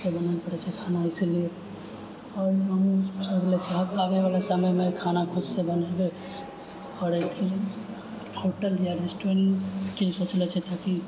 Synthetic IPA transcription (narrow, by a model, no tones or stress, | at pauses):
sebɐnaepɐɽet͡ʃʰekʰaːnaɪsilie | ɔːɾɐmsot͡ʃlɛt͡ʃʰeɦɐbaːɡeʋaːlasəməjmẽkʰaːnakʰʊd̪sebɐneɡe | ɔːɾeki | ʈʰoːʈəljaɾesʈẽŋkesot͡ʃlɛt͡ʃʰet̪ʰaki